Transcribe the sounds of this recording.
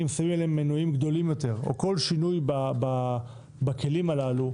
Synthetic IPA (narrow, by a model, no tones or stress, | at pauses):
imsavimeleemːenuimɡd̪o̞limjo̞t̪e̞ʁo̞̰ko̞lʃinujbaba | bake̞limalalu